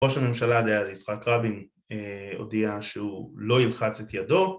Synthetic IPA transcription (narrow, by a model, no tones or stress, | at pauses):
o̞ʃame̞mʃalad̪ajazisχakʁabin | eo̰diaʃeulo̞ilχat͡set̪jado̞